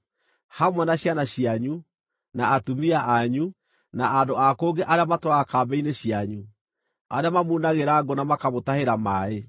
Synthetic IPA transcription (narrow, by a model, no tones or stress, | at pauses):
hamwɛnaɕjanaɕiaɲu | naːtumiaʔaɲu | naʔandoakoːŋɡeʔaɾeamatwaakaːbɛineɕjaɲu | aɾeamamuːnaɣeɾaɡonamakamotaheɾamae